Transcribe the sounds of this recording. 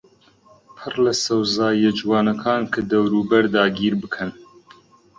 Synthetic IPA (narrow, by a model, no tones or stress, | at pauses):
pʰɨrlɐsɐwzɑːjɛd͡ʒwɑːnɐkʰɑːnkʰɨd̪ɐwɾuːbɐɾd̪ɑːɡiːɾbɨkʰɨn